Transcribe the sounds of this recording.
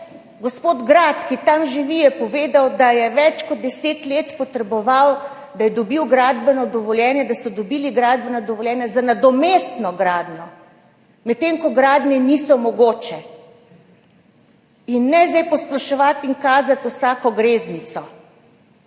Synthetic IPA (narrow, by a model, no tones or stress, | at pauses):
ɡɔspoːd̪ɡɾat̪kit̪amʒiʋijɛpɔʋeːd̪awd̪ajɛʋɛt͡ʃkɔd̪̚d̪ɛseːt̪leːt̪pɔt̪ɾɛbɔʋaw | d̪ajɛd̪ɔbiwɡɾad̪bɛnɔd̪ɔʋɔljɛːnjɛd̪asɔd̪ɔbiliɡɾaːd̪̚bɛnɔd̪ɔʋɔljɛːnjɛzanad̪ɔmest̪nɔɡɾaːd̪nɔ | mɛt̪ːeŋkɔɡɾaːd̪nɛnisɔmɔɡoːt͡ʃɛ | inːɛzd̪ɛjpɔsplɔʃɛʋat̪iŋkaːzat̪usaːkɔɡɾeːznit̪sɔ